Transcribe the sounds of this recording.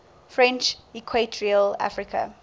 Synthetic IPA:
fɹɛ̃nt͡ʃikʰwetʰɹiəla̰fɹikʰə̰

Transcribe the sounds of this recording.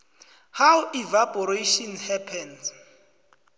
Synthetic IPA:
hawivapɔɾeʃɔnhɛpʰɛns

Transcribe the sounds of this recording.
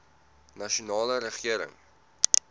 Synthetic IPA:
nɐʃunɑːləɾəχiəɾə̰ŋ

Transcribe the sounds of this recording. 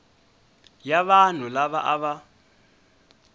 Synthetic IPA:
jaβan̤ulaβaʔaβa

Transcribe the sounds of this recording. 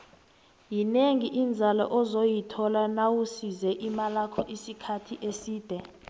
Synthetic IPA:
jineŋiʔind͡zʱalɔ̰ʔɔzojitʰɔlanawusizɛʔimalakʰɔʔisikʰatʰiʔesiːd̥ʱɛ

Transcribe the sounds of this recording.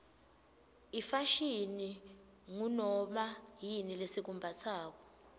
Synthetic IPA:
ifaʃini | ŋunɔmajinilesik̬umbʱat͡sʰaːk̬ɔ̥

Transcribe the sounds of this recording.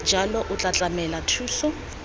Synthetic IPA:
d͡ʒʱalɔʔʊt͡ɬʼat͡ɬʼamɛlatʰuːsɔ

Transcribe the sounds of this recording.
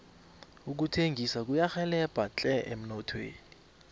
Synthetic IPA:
uk̬utʰeŋɡʱisak̬ujaxɛlɛb̥ʱat͡ɬʼɛʔem̩nɔtʰwḛːni

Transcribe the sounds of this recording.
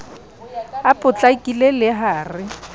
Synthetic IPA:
apʼʊt͡ɬʼakʼilelɪɦaːrɪ

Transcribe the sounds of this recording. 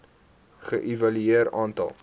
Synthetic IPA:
χəʔivɐlyeəɾɑːntɐ̰lˠ

